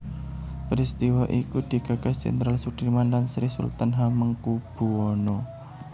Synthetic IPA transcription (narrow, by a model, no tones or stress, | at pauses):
pəɾist̪iwaʔikud̪̥i̤kaɡḁt͡ʃɛ̰nt̪ɾalsuʈ̪imanlansɾisṵlt̪anɦaməŋkub̥uɔno